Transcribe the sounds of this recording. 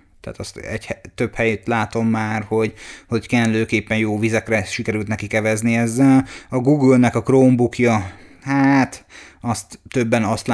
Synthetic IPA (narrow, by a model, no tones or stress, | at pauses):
t̪a̰ːt̪ɒst̪ɛɟhɛt̪ːøphɛjet̪laːt̪o̞mːaːrho̞ɟho̞ɟkɛnløːkeːpːɛnjoːvizɛkrɛʃikɛɾylt̪nɛkikɛvɛzniɛzːɛlɒɡuɡulnɛkɒkroːmbukjɒhaːt̪ɒst̪ːø̞bːɛnɒst̪l